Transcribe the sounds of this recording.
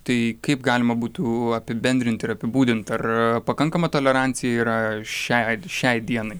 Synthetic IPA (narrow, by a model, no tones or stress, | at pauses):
t̪ɐɪkɐɪpɡɑːlʲɪmɐbuːt̪uɐpʲɪbʲɛnʲd̪ɾʲɪnt̪ʲɪɾɐpʲɪbuːd̪ʲɪnt̪ɐrpɐkɐŋkɐmɐt̪oːlʲɛɾɑnʲtsʲɪjɛiːɾɐʃʲɛʃʲɛɪd̪ʲiɛnɐɪ